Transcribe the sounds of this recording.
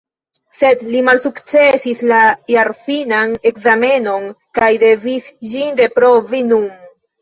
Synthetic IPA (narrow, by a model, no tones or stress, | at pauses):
se̞dlimalsukt͡se̞sislajaɾfinane̞kzame̞no̞n | kajde̞visd͡ʒinɾe̞pɾo̞vinun